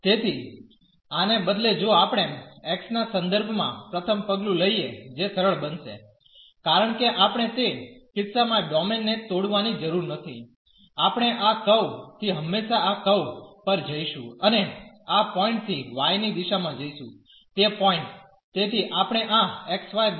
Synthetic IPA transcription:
t̪et̪ʰi | anebəd̪led͡ʒoapɽ̃eɛksnasə̃nd̪əɾbʱmã̰pɾət̪ʰəmpəɡlũləied͡ʒesəɾəɭbənʃḛ | kaɾəɳ̃keʔapɳ̃et̪ekɪt̪samãɖɔmenːet̪oɽʋanid͡ʒəɾuɾnət̪ʰi | apɽ̃eʔakəwt̪ʰiɦəmːeʃaakəwpəɾd͡ʒəiʃũəne | apɔĩɳʈt̪ʰiʋajnid̪iʃamãd͡ʒəiʃũ | t̪epɔɪ̃ɳʈ | t̪et̪ʰiʔapɽ̃eʔãeksʋaj

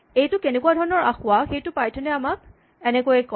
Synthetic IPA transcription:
ejtʊkenɛkuadʱɔɹɔnɔɹa̰xʊwaxejtʊpajtʰɔnɛamak̚ | ɛnɛkojɛkɔ

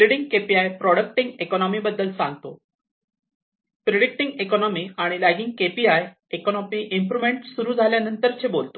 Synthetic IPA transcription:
ɾeɽiŋɡkepiajpɾɔɽək̚ʈiŋɡekɔnɔmibəd̪ːəlsã̰ŋɡt̪o̰ | pɾeɽik̚ʈiŋɡekɔnɔmiaɽ̃ilaɡiŋɡkepiaj | ekɔnɔmiʔimpɾumeɳʈsuɾuːd͡zʱaljanənt̪əɾt͡ɕʰebolt̪o̥

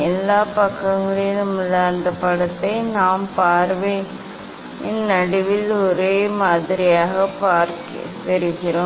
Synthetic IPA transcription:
ɛlːaːpɐkːɐŋɡɐɭɪnɐmːɯɭɐɐnd̪ɐpɐɽɐt̪ːɐɪnaːmpaːɾʋɐɪ | ɪnːɐɽɪʋɪlɔɾeːmaːðɪɾɪjaːɣɐpaːɾk | pɛɾɪɣɪɾo

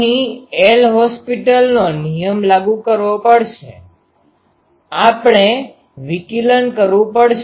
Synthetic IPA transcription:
ɦĩelɦɔspiʈəlnonijəmlaɡukəɾʋopəɽʃe | apɳe | ʋikilənkəɾʋũpəɽʃ

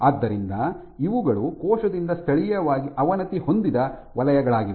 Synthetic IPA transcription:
aːd̪ːɐɾind̪ɐ | iʋuɡɐɭukɔːʂɐd̪ind̪ɐst̪ʰɐɭijɐʋaːɡiʔɐʋɐnɐt̪iho̞nd̪id̪ɐʋɐlɐjɐɡɐɭaːɡiʋ

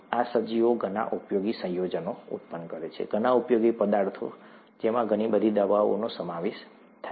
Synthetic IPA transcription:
asəd͡ʒioɡʱəna̰ʔupjoɡisə̃jod͡ʒənoṵp̪pənkəɾet͡ʃʰḛɡʱənaupjoɡipəd̪aɾt̪ʰo̰ | d͡ʒemãɡənibəd̪ʱid̪əʋaʋo̰nosəmaʋeʃ | t̪ʰa

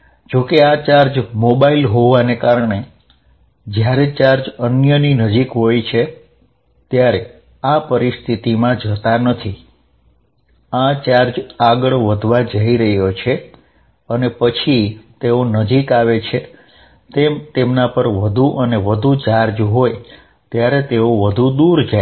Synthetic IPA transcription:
d͡ʒokeat͡ʃaɾd͡ʒmobailɦoʋanekaɾɳe | d͡ʒjaɾet͡ʃaɾd͡ʒənjəninəd͡ʒikɦojt͡ʃʰe | t̪jaɾe | apəɾist̪ʰit̪imãd͡ʒət̪anət̪ʰi | at͡ʃaɾd͡ʒaɡəɭʋəd̪ʱʋad͡ʒəiɾəɦjot͡ʃʰe | ənepət͡ʃʰit̪eonəd͡ʒikaʋet͡ʃʰe | t̪emt̪emnapəɾʋəd̪ʱuʔəneʋəd̪ʱut͡ʃaɾd͡ʒɦoj | t̪jaɾet̪eoʋəd̪ʱud̪uɾd͡ʒa

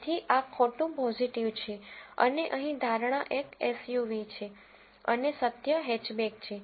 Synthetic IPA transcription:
t̪ʰiʔakʰoʈũpɔziʈiʋt͡ʃʰeə̰neʔəɦĩd̪ʱaɾɳ̃aʔekesjuʋit͡ʃʰe | ə̰nesət̪jəɦɛt͡ʃbek̚t͡ʃʰe

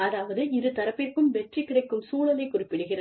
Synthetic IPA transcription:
aːðaːʋɐðɯɪɾɯt̪ɐɾɐpːɪrkɯmʋɛʈrikːɪɽɐɪkːɯmsuːɭɐlɐɪkːʊrɪpːɪɽɯɣɪrɐ

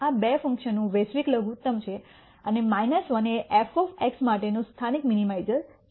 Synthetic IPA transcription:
abefə̃ŋkʃənːũʋesʋikləɡut̪ːəmt͡ʃʰe | ənemajnəsʋəneʔɛfɔfeksmaʈenũst̪ʰanikminimajzəɾ

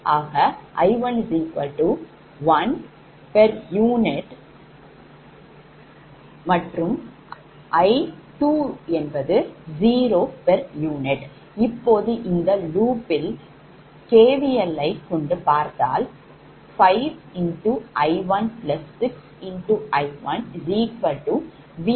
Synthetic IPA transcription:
ʔaːɣɐʔɐ̰ɪʋɐnziːkɐʈu | ʋɐn | pɛɾjuːnɪʈ | mɐʈrɯm | ʔɐɪʈuːɛnbɐðɯziːɾoːpɐɾjuːnɪʈ | ɪpːoːðɯʔɪnd̪ɐluːpːɪl | keːʋɪjɐlːɐɪkːɔɳɖɯpaːɾt̪a̰ːl | fɐɪʋɪɳʈuʔɐɪʋɐnplɐsːɪks | ɪɳʈuʔɐɪʋɐnɾiːkʋɐʈːu | ʋi

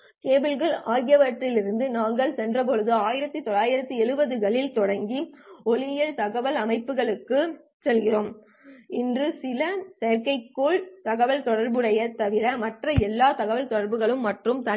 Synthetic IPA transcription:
keːbɪlɣɐɭaːɣɪjɐʋɐʈrɪlɪɾɯnd̪ɯnaːŋɡɐɭsɛndrɐp̬ɔɻɯðɯaːjɪɾɐt̪ːɯt̪ɔlaːjɪɾɐt̪ːɯɛɻɯbɐðɯɣɐɭɪlt̪ɔɽɐŋɡiɔlɪjɐlt̪ɐɣɐʋɐlɐmɐɪpːɯɣɐɭɯkːɯ | sɛlɣɪroːm | ɪndrɯsɪlɐsɛjɐɾkɐɪkːoːɭt̪ɐɣɐʋɐlt̪ɔɽɐɾbɯɽɐjɐt̪ːɐʋɪɾɐmɐʈrɐɛlːaːt̪ɐɣɐʋɐlt̪ɔɽɐɾbɯɣɐɭɯmːɐʈrɯmt̪ɐ

